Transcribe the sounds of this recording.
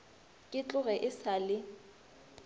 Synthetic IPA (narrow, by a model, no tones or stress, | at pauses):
kʼɪt͡ɬʼʊɣɛʔɪsalɪ